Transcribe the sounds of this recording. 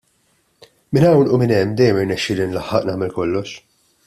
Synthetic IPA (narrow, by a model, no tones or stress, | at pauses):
mɪnɐwnumɪnɛmːd̪ɛjːɛmɪɾnɛʃːɪːlɪnlɐħːɐʔnɐːmɛlkɔlːɔʃ